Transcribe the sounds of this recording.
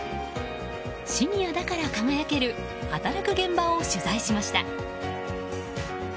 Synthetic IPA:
ɕiɲʲijad̪akaɾakaŋajake̞ɾɯ̟ | hat̪aɾakɯ̟ɡẽ̞mbaoɕɯzaiɕimaɕi̥t̪a̰

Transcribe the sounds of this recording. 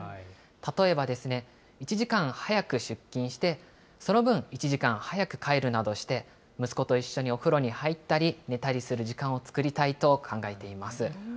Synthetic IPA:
t̪at̪o̞e̞bad̪e̞sɨne̞ | it͡ɕiʑikãɰ̃hajakɯ̟ɕɨkʲːĩɰ̃ɕi̥t̪e̞ | so̞no̞bɯ̟̃ɰ̃it͡ɕiʑikãɰ̃hajakɯ̟̥kʰaeɾɯ̟nad̪o̞ɕi̥t̪e̞ | mɯ̟sɨ̥ko̞t̪o̞iɕːo̞ɲ̟io̞ɸɯ̟ɾo̞ɲ̟ihait̪ːaɾʲine̞t̪aɾʲisɨɾɯ̟ʑikãɰ̃o̞t͡sɨ̥kɯ̟ɾʲit̪ait̪o̞kʰãŋɡae̞t̪e̞imasɨ

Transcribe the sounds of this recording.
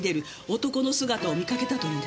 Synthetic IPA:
d̪e̞ɾɯ̟ | ot̪o̞ko̞no̞sɨɡat̪ao̞mʲikake̞t̪at̪o̞id̪

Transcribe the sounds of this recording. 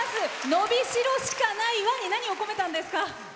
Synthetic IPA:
zɨno̞bʲiɕiɾo̞ɕi̥kanaiβaɲ̟ːinaɲ̟io̞ko̞me̞t̪ãnd̪e̞sɨ̥ka

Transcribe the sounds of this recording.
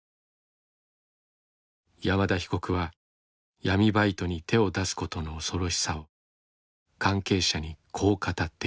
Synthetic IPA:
jamad̪açi̥ko̞kɯ̟βa | jamʲibait̪o̞ɲ̟it̪e̞o̞d̪asɨ̥ko̞t̪o̞no̞ːso̞ɾo̞ɕi̥sao̞ | kãŋke̞ːɕaɲ̟ikʰo̞ːkat̪at̪ːe

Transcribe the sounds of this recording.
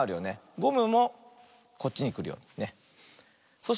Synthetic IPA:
aɾɯ̟jo̞ne̞ɡo̞mɯ̟mo̞ | ko̞t̚t͡ɕːiɲ̟ikɯ̟ɾɯ̟jo̰ːne̞ | so̞ɕ

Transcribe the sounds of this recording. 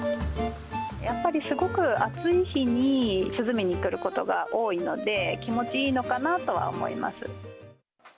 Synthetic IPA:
japːaɾʲisɨɡo̞kɯ̟at͡sɨiçiɲ̟isɨzɨmʲiɲ̟ikɯ̟ɾɯ̟ko̞t̪o̞ɡa̰ʔo̞ːino̞̰d̪e̞kʲimo̞t͡ɕiiːno̞kanat̪o̞βa̰o̰mo̞̰ḭma̰sɨ̰

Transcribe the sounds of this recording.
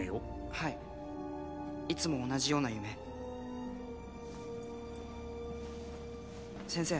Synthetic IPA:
ejo | hai | it͡sɨmo̞ːnaʑijo̞ːnajɯ̟me̞ | sẽ̞ɰ̃se̞ː

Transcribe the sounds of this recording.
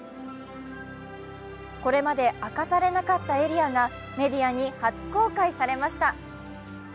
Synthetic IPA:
ko̞ɾe̞mad̪e̞ʔakasaɾe̞nakat̪ːae̞ɾʲiaɡa | me̞d̪ʲijaɲ̟ihat͡sɨ̥ko̞ːkaisaɾe̞maɕi̥t̪a

